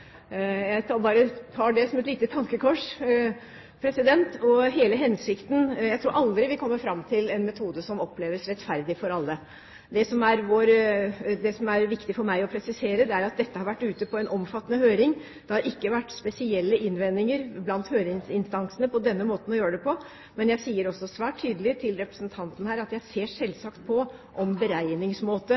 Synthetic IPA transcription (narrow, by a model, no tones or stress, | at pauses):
jæɪt̪ʰɑbɑːɾət̪ʰɑːɖɛsɔmɛt̪liːt̪ət̪ʰɑŋkəkʰɔʂ | pʰɾɛsɪd̪ɛnt̪ɔɦeːləɦɛnsɪkt̪njæɪt̪ɾuːɾʔɑld̪ɾɪʋɪlkʰɔmːəfɾɑmːt̪ʰɪlɛnmɛt̪ʰuːd̪əsɔmɔpleːʋəsɾɛt̪fæɾd̪ɪfɔɾɑlːə | d̪ɛsɔmæɾʋoɾd̪ɛsɔmæɾʋɪkt̪ɪfɔɾmæɪɔpʰɾɛsɪseːɾəd̪ɛæɾɑt̪̚d̪ɛt̪ːəhɑɾʋæʈːʉːt̪əpʰɔɛnʔɔmfɑt̪ːənəhøːɾɪŋ | d̪̥ɛhɑɾɪkːəʋæʈːspɛsɪɛlːəʔɪnːʋɛnːɪŋəɾblɑnt̪høːɾɪɪsɪnst̪ɑnsənəpʰɔd̪ɛnːəmoːt̪n̩ɔjøːɾəɖɛpʰɔ | mɛnjæɪsiːəɾɔsːɔsʋæːʈʰːyːd̪əlɪt̪ʰɪlɾɛpɾəsnt̪ʰɑnt̪ən̩hæːɾɑt̪jæɪseːʂɛlːsɑːkt̪̚pʰɔ | ʔɔmbəɾæɪnɪŋsmoːt̪ə